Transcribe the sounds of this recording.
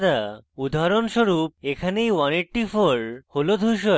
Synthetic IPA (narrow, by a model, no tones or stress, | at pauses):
d̪aud̪ʱaɾonʃoɾup̚ekʰanejwaneʈʈifoɾholod̪ʱujʃo